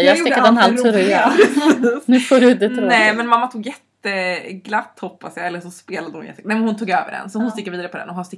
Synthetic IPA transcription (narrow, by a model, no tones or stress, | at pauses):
jɑːsɪkːad̪ɛnhalt̪ʰʉɾɪj | nʉ̟ːfoːɾʉd̪ɛɾɔːɛmɛnmamːat̪ʰuːɡjɛt̪ːəɡlat̪ːhɔpːasjaɛlːəʂɔspeːlad̪əhʊnjɛ̰t̪ːnɛmnhʊnt̪ʰuːɡø̰ːvə̰ɖɛ̰nsɔhʊnst̪ɪkːɾviːd̪aɾəpʰɔd̪ɛ̰nɔɦhanst̪ɪ